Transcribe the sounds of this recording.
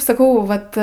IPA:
sɐˈkɐʊ ˈʋɐt

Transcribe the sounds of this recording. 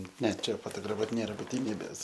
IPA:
ˈnʲɛ ˈt͡ʃʲɛ foːtoːɡrɐˈfuɔt ˈnʲeːrɐ bʊtʲɪˈnʲiːbʲeːs

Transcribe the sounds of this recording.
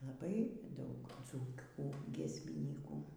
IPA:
lˠɐˈbɐɪ ˈdɐʊk ˈd͡zuːkʲuː ɡʲiɛsʲmʲɪˈnʲiːkuː

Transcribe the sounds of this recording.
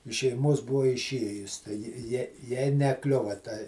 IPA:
ɪʃ ʃʲɛɪˈmuɔs ˈbʊɐ ɪˈʃʲiɛjʊs tɐɪ ˈjɪ ˈjiɛ ˈjɛɪ nʲɛˈklʲʊʋɐ tɐ

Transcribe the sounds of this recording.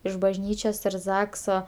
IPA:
ɪʃ bɐʒʲˈnʲiːt͡ʃʲoːs ɪr ˈzɑːksoː

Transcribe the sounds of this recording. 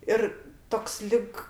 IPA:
ˈɪr ˈtoːks ˈlʲɪk

